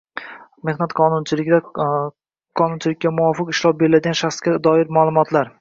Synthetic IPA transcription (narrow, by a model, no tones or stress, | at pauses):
me̞hnat̪qʰɒnʊnt͡ʃʰɪlɪa | qʰɒnʊnt͡ʃʰɪlɪkʲːamʊwɒfɪqɪʃlˠɒp̚be̞ɾɪlad̪ɪɡanʃaχskʲad̪ɒɪɾmaːlˠʊmɒt̪laɾ